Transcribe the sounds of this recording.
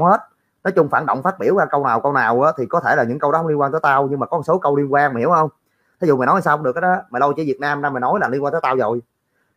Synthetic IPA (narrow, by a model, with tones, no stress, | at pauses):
whe˦˥t̚ | nɔ˨˦jt͡ɕʊ˧ŋ͡mfa̰ː˧˩nɗo̰˧˨wŋ͡mfaː˦˥t̚ɓi˧˩əwɣaː˧kə˧wnaː˨˩wkə˧wnaː˨˩wʔəː˨˦t̪ʰi˨˩kɔ˨˦t̪ʰe˧˩laː˨˩ɲɨ̰˧˥ŋkə˧wɗɔ˨˦ə˧wŋ͡mli˧kwaː˧nt̪əː˨˦jt̪aː˧wɲɨ˧ŋmaː˨˩kɔ˨˦hso˨˦kə˧wli˧ənkwaː˧nma˨˩hi˧˩˦whə˧wŋ͡m | t̪ʰzṵ˧˨maː˨˩nɔ˨˦hsaː˧˨ɗɨ˨˩əkːaː˨˦ɗɔ˨˦maː˨˩lə˧wt͡ɕḭ˧˩˦vi˨˩ət̚naː˧mɗaː˧ma˨˩nɔ˨˦jlaː˨˩li˧nkwa˧t̪ə˨˦t̪aː˧wzo˨˩j